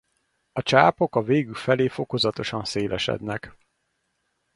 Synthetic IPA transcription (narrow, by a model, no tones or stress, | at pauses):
ɒt͡ʃaːpo̞kɒveːɡylfɛleːfo̞ko̞zɒt̪o̞ʃɒnseːlɛʃɛ̰d̪nɛk